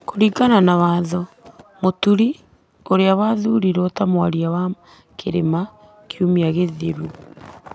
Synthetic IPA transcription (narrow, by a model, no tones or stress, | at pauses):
koɾiɡananawaːðɔ | motuɾi | oɾeawaːðuːɾiɾɔtamwaɾiawa | kʰeɾḛma | kjumiaɣeðeɾu